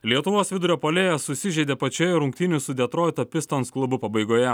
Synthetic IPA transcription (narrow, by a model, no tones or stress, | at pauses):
lʲiɛt̪ʊʋoːsʋʲɪd̪ʊɾʲoːpoːlʲeːjɛsʊsʲɪʒʲɛɪd̪ʲeːpɐt͡ʃʲoːjɛɾʊŋʲkt̪ʲɪnʲʊsʊd̪ʲɛt̪ɾɔɪt̪oːpʲɪst̪ɐnsklˠʊbʊpɐbɐɪɡoːjɛ